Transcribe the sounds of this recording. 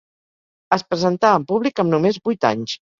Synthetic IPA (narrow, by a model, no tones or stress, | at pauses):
əspɾəzənt̪aəmpuβlikəmnumezbujt̪a̰ɲs